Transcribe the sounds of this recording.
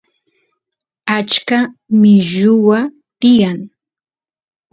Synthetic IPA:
at͡ʃkamɪʒʊwa | t̪ɪjaŋ

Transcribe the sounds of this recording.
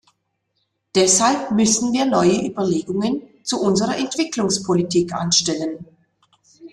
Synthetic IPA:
d̥ɛshalpmʏsn̩viːɐnɔʏəʔyːbɐleːɡʊŋənt͡suʔʊnzəʁɐʔɛntv̥ɪklʊŋspʰolitʰiːkʔa̰nʃtɛlən

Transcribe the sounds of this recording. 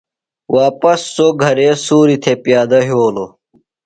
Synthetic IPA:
waːpɐsːoːɡʱɐɾeːsuːɾit̪ʰepjaːd̪ɐɦoːlo

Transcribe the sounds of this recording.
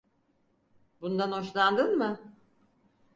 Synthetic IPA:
bund̪anho̞ʃlˠand̪ɯnmɯ

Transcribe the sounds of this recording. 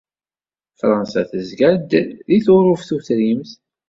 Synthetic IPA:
fɾˤɑnsæ̰θəzɡæd̪ðiθʊɾˤʊfθuθɾimθ

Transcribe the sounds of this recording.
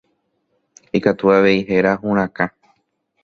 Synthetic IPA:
ikat̪uaʋe̞iɦe̞ɾaɦũɾ̃ãka

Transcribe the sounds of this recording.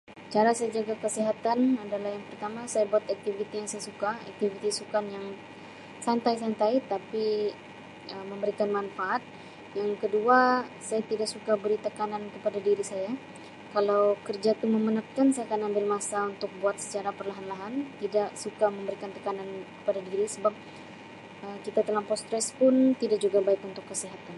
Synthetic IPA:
t͡ʃaɾasajad͡ʒaɡakəsiɦat̪anadalahjaŋpərt̪amasajabuat̪ak̚t̪ifit̪ijaŋsajasukaa̰k̚t̪ifit̪isukanjaŋ | sant̪ajsant̪ajt̪api | əməmbəɾikanmanfaʔat̪̚ | jaŋkəduasajat̪idak̚sukabəɾit̪əkanankəpadadiɾisaja | kalawkərd͡ʒat̪ʊməmənap̚kansajakanambɪlmasaunt̪ʊk̚buat̪sə̥t͡ʃaɾapərlaɦanlaɦant̪idaksukaməmbəɾikant̪əkanankə̥padadiɾisəbap̚ | ʔəkit̪at̪əlaŋpɔst̪ɾɛspʊnt̪idaʔk̚d͡ʒuɡabaɪkunt̪ʊkːəsiɦat̪an

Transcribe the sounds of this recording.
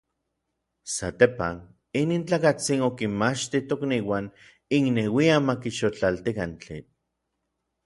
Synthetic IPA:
sa̰t̪epa̰n | iniːnt͡ɬaːkat͡sinokinmat͡ʃt̪it̪okniːwan | iŋnewiamakiʃot͡ɬalt̪ikant͡ɬḭ

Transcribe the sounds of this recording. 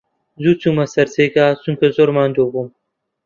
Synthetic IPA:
zuːt͡sʰuːmɐsɐɾzeːɡaːt͡sʰuŋkʰɐzoːɾmaːnd̪oːbum

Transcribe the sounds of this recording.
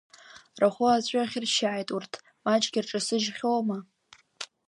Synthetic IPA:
raχʷʊat͡ɕʷʼaχʲɪrʃaʕajtʼurtʰ | mat͡ʃʼɡʲɪrʈ͡ʂʼasɨʒχʲowma

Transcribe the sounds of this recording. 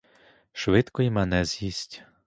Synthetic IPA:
ʃʋɪt̪kɔjimɛnɛzʲjisʲtʲ

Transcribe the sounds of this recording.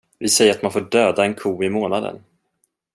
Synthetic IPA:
vɪsɛjːəɾat̪manfoːɖøːd̪aɛnkʰuːɪmoːnad̪ə̰n

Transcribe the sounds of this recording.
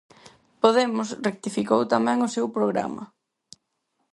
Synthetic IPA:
poð̞emʊsrek̚t̪ifikowt̪amɛ̃ŋʊsewpɾoɣ̞ɾa̰mɐ̰

